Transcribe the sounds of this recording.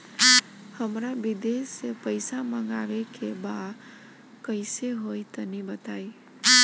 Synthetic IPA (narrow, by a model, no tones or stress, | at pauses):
həmɾabid̪esepəɪsaməŋɡawekebad̪ | kəɪseɦojt̪ənibət̪ai